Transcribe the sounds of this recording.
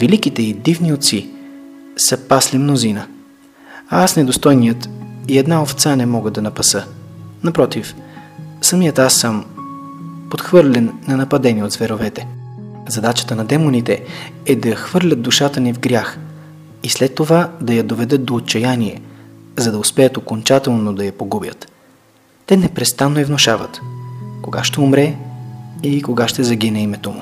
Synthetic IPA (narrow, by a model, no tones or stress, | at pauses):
vilikit̪ɛid̪ivniot̪si | sɐpaslimnozinə | aasnɛd̪ost̪ɔjnijət̪iɛd̪naoft̪sanɛmɔɡəd̪ɐnɐpɐsənɐpɾɔt̪if | sɐmijət̪asːəm | pot̪xvɤɾlʲɛnːɐnɐpɐd̪ɛniot̪zvɛɾovɛt̪ɛzɐd̪at͡ʃə̥t̪ənɐd̪ɛmonit̪ɛ | ɛd̪ɐxvɤɾlʲət̪̚d̪uʃat̪ənivɡɾʲax | islɛt̪ːovad̪ɐjɐd̪ovɛd̪ət̪̚d̪oːt̪̚t͡ʃɐjaniɛ̰zɐd̪ɐʊspɛjət̪okont͡ʃat̪ɛlˠnod̪ɐjɐpoɡubjə̰t̪ː | ɛnɛpɾɛst̪anːoɛvnoʃavə̰t̪koɡa̰ʃt̪ɛʊmɾɛ | iikoɡaʃt̪ɛzɐɡinɛimɛt̪omṵ